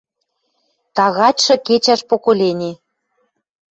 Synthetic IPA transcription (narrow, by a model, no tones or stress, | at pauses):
t̪ɑɣɑtʲʃɤ̆ket͡ɕæʃpokolʲenʲe